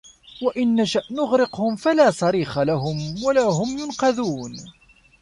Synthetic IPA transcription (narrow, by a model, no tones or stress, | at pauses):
waʔɪnːaʃaʔnʊɣɾɪqhʊmfalaːsˤɑɾiːxalaɦʊmwalaːɦʊmjʊnqɑðuːn